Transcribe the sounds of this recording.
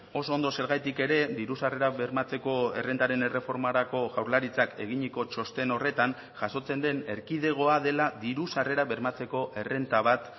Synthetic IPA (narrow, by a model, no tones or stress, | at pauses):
o̞soond̪o̞se̞ɾɣajt̪ike̞ɾe̞ðiɾusare̞ɾaβe̞ɾmat͡se̞ko̞e̞re̞nt̪aɾe̞ne̞re̞fo̞ɾmaɾako̞ʝawɾlaɾit͡sake̞̰ɣ̞iɲiko̞t͡ʃo̞st̪e̞no̞re̞t̪an | ʝaso̞t͡se̞nd̪e̞ne̞ɾkið̞e̞ɣ̞o̞aðe̞laðiɾusare̞ɾaβe̞ɾmat͡se̞ko̞ʔe̞re̞nt̪aβ̞at̪